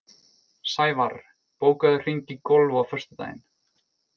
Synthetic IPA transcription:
saːjvaɾ | poːwkaðʏr̥iɲcikɔlvawfœr̥st̪ʏt̪a̰jɪ̰n

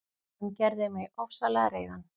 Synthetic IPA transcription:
ʏmcɛɾðɪmɛɔfsalɛɣaɾeːjðan

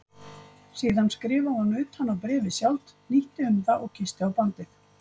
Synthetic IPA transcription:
siːðanskɾɪːvahɔnʏːt̪hanːawpɾɛːvɪsjawlt̪niht̪ɪʏmðaʔɔɣcʰɪst̪ɪawpant̪ɪθ

